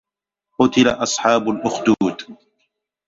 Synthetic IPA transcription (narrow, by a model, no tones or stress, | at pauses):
qʊt̪ɪla̰ʔɑsˤħɑːbʊlʔʊxd̪uːt̪